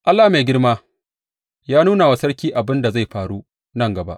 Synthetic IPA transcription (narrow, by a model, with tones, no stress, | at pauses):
ʔa˦lːa˨me˨ɡʲɪ˦ɽmaː˦ | jaː˦nuː˦na˨wa˨˦sɐ˦ɽkʲiː˦ʔa˨bɪ˦nda˨za˦˨jɸaː˨ɽu˦ | nɐ˦ŋɡɐ˨ba̰˦ʔ